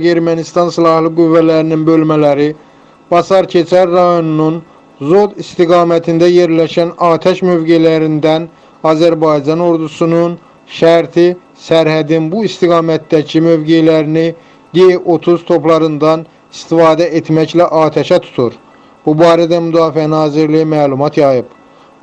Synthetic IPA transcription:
e̞ɾmænist̪ɑnsilˠɑhlˠɯɡuvːælæɾininbø̞lmælæɾi | b̥ɑsɑɾcʰe̞t͡ʃʰæɾːɑjo̞nunun | zo̞d̪ist̪iɡɑːmæt̪ʰind̪æje̞ɾlæʃænɑːt̪ʰæʃmø̞vɡe̞jlæɾind̪æn | ɑːzæɾbɑjd͡ʒɑno̞ɾd̪usunun | ʃæɾt̪ʰi | sæɾhæd̪inbuist̪iɡɑːmæt̪d̪æcʰimø̞vɡejlæɾini | d̪ieʔo̞t̪ʰuzt̪ʰo̞plˠɑɾɯnd̪ɑn | ist̪ifɑːd̪æʔet̪mæclæʔɑːt̪ʰæʃæt̪ʰu̥t̪ʰuɾ | b̥ubɑːɾæd̪æmyd̪ɑːfiænɑːziɾlijimæːlˠumɑt̪ʰjɑjɯb

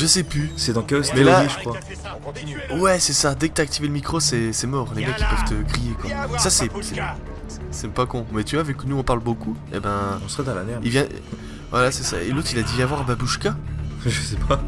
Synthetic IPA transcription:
ʒəsɛpysɛd̪ɑ̃kɛlɔsmɛlaiʒəkχwa | wɛsɛsad̪ɛkət̪yak̚t̪iveləmikχosɛsɛmɔːʁleɡakʲi̥pœv̥t̪əɡʁijekwasasɛsɛ | ɛsɛpakɔ̃mɛt̪yvwavɛkənuɔ̃paʁlboku | ḛbɛ̃ɔ̃səʁɛd̪ɑ̃la̰nɛʁḭlvjɛ̃ | vwalasɛsa̰ḛlot̪χilad̪ivjɛ̃vwaʁababuʃkaʒəsɛpʰa

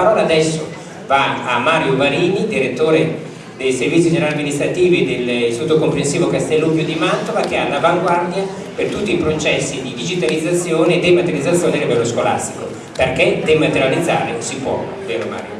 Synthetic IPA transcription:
ɾɔːlaːd̪ɛsːo | vaamːaːɾjovaliːnid̪iɾet̪ːoːɾe | d̪ejservit̪sid͡ʒonalamːinist̪ɾat̪iːvid̪elsot̪ːokompɾensiːvokast̪ɛlːubjod̪imant̪ovak̟ealːavaŋɡward̪ja | pert̪ut̪ːiːpɾot͡ʃɛsːid̪id̪id͡ʒit̪alid̪zːat̪sːjoːneːd̪ːemat̪eɾid̪at̪sːjoːnealːivɛlːoskola̰st̪iko | perked̪emat̪eɾjalid̪zːa̰ːɾesipwɔ̰ | veːɾoma̰ːɾjo̰

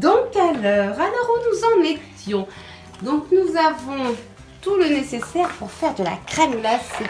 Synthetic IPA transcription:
d̪ɔ̃kalœːʁalɔʁunuzɑ̃net̪jɔ̃ | d̪ɔ̃knuzavɔ̃ | t̪ulənesesɛʁpuʁfɛʁd̪əla̰kχɛmlase

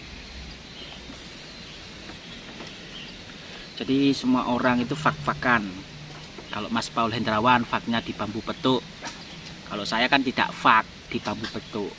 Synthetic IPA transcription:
dd͡ʒ̥adisəmuaʔoɾaŋit̪ufak̚fakan | kaloʔmaspaulɦɛnd̪ɾawanfak̚ɲad̪̥i̤pambupət̪ʊʔ | kaloʔsajakant̪id̥a̰ʔfak̚d̪̥i̤pambupət̪ʊʔ

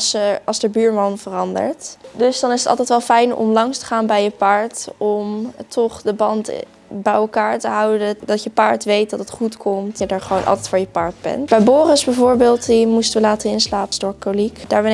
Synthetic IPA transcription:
sɑlˠzdəɹbyːɹmɑnvərɑndə̰ɹtdɵsdɑnɪsətɑ̰lˠtɛjtʋɛlˠfɛjnɔ̰mlɑŋstə̥χaːnbɛjəpaːɹtɔmtʰɔχdəbɑnt | bɛjɛlˠkaːɹtəɦʌwdədɑtjəpaːɹtʋejt̚dɑtətχutkʰɔmtədaːɹχəʋownʔɑ̰lˠtɛjtfʊːɹjəpaːɹdbɛ̰ntb̥ɛjbʊːrəsbɛjvʊːɹbɪːlˠtdimustəʋəlaːtənɪnslaːpstɔɹkolikd̥aːɹʋɛn

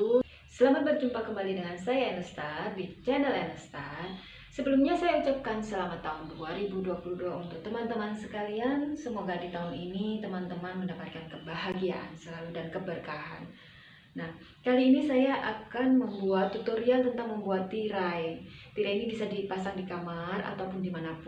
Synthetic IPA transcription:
səlamat̪̚bərd͡ʒumpakəmbalidəŋansajaɛnəst̪ar̚dit͡ʃɛnəlɛnəst̪at | səbəlumɲasajaut͡ʃap̚kansəlamat̪ːaunduaɾibuduapuluduaunt̪ʊk̚t̪əmant̪əmansəkaliansəmoɡadit̪aɦuninit̪əmant̪əmanməndapat̪̚kankəbaɦaɡia̰ʔa̰nsəlaludankəbərkaɦa̰n | nah | kaliːnisajaʔakanməmbuat̪ːut̪oɾialt̪ənt̪aŋməmbuat̪ːiɾajt̪iɾainibisadipasaŋdikamara̰t̪awpʊndimanapʊ

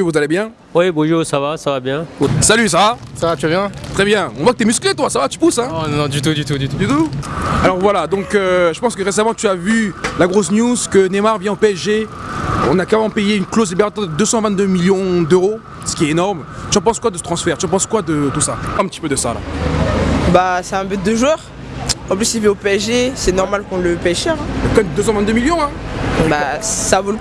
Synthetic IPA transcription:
vuzalebjɛ̃ | wibõʒuʁsavasavabjɛ̃salys̬ava | savat̪yabjɛ̃t̪χɛbjɛ̃ɔ̃vwakət̪yɛmysklet̪wasavat̪y̥pusɛ̃nnɔ̃d̪yt̪̬ud̪yt̪ud̪yt̪ud̪yt̪ualɔʁvwalad̪ɔ̃køʒəpɑ̃skəʁesamɑ̃t̪yavylaɡʁosnjuzkənemaʁvjɛ̃opeɛeɔ̃nakaʁemɑ̃pejeynklozlibeʁat̪ɑ̃d̪əd̪øsɑ̃vɛ̃t̪̚d̪ømiljɔ̃d̪øʁo | sə̥kʲiɛt̪enɔʁm | t̪yɑ̃pɑ̃skwad̪əsə̥t̪χɑ̃sfɛʁt̪yɑ̃p̬ɑ̃skwad̪ət̪usapaʁɛ̃pət̪i̥pød̪əsa̰la̰ | basɛɛ̃byt̪̚d̪əʒwœʁ | ɑ̃p̬lysivɛopeɛʃdesɛnɔʁmalkɔ̃ləpeɛʃœʁɛ̃ɛkɔmɛd̪øsɑ̃vɛ̃t̪d̪ømiljɔ̃ɛ̃basavul

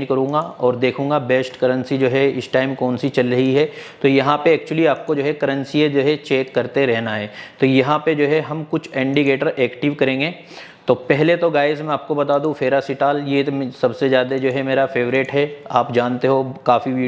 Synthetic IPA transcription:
d͡ʒkɐɾũːŋɡaɔːɾd̪eːkʰũːŋɡabɛːsʈkɐɾə̃nsid͡ʒoːɦɛɪsʈaːɪmkɔːnsit͡ʃɐlɾɐɦiɦɛːt̪ojɐɦãpeɛːk̚t͡ʃʊəliaːp̚kod͡ʒoːɦɛkɐɾə̃nsied͡ʒoːɦɛt͡ʃeːkːɐɾt̪eɾɛɦnaɦɛːt̪ojɐɦãped͡ʒoːɦɛɦɐmkʊt͡ʃʰɛ̃ːɳɖiɡeːʈəɾeːkʈɪʋkɐɾẽːŋɡe | t̪opɛɦlet̪oɡaːɪzmɛ̃aːp̚kobɐt̪aːd̪ũfeːɾasɪʈaːljesɐbsezjaːd̪ad͡ʒoːɦɛmeːɾafeːʋɾɪʈɦɛaːpd͡ʒaːnt̪eɦokaːfi

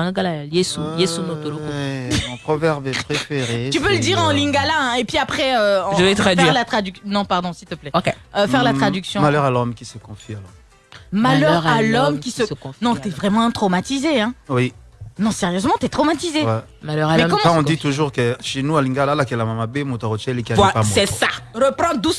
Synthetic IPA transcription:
lĩɡalaljesujesunot̪olokmɔ̃pχɔvɛʁbɛpχefeʁet̪ypøləd̪iʁɑ̃lĩŋɡalaɛ̃epɥiapχɛøɑ̃dəvɛt̪ad̪ɛiʁlat̪χad̪yknɔ̃paʁd̪ɔ̃silt̪əplɛokeøfɛʁlat̪χad̪yksjɔ̃malœʁalɔmkʲisəkɔ̃fialɔm | malœʁalɔmkʲisəskɔfnɔ̃t̪yɛvʁɛmɑ̃t̪χɔmat̪izeɛ̃wi | nɔ̃seʁjøzmɑ̃t̪yɛt̪χomat̪izewɛ | malʁmɛkɔmɛ̃ɔ̃d̪it̪uʒuʁkəʃenualĩŋɡalalakɛlamamabemɔ̃t̪ɔʁot͡ʃɛlekʲaaɛpamɛsaʁəpχɑ̃d̪us

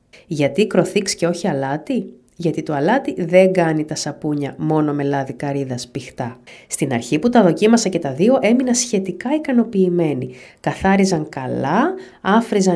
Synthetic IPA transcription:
ʝɐt̪ikɾo̞θiksce̞o̞çiɐlɐt̪i | ʝɐt̪it̪o̞ɐlɐt̪iðe̞ŋɡɐnit̪ɐsɐpuɲɐmo̞no̞me̞lɐðikɐɾiðɐspixt̪ɐst̪inɐ̰ɾçiput̪ɐðo̞cimɐsɐce̞t̪ɐðio̞ʔe̞minɐsçe̞t̪ikɐikɐno̞piːme̞nikɐθɐɾizɐŋkɐ̰lɐ | ɐfɾizɐ

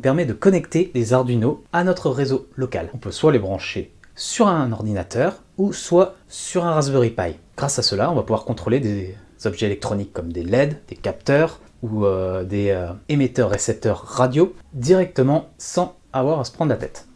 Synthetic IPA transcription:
ɔ̃pɛʁmɛd̪əkɔnɛkt̪elezaʁd̪ynoanɔt̪χəʁezolɔka̰lɔ̃pøswalebʁɑ̃ʃesyʁɛ̃nɔʁd̪inat̪ʰœʁ | uswasyʁɛ̃ʁazbøʁipa̰jɡ̥ʁasasəlaɔ̃vapuvwaʁkɔ̃t̪χoled̪ez̥ɔbʒɛelɛk̚t̪χɔnikːɔmd̪elɛd̪d̪̥ekap̚t̪œʁ | uød̪eøemet̪œʁːesɛp̚t̪œʁːad̪jod̪iʁɛk̚t̪əmɑ̃sɑ̃ | avwaʁasə̥pχɑ̃d̪lat̪ɛ̰t̪

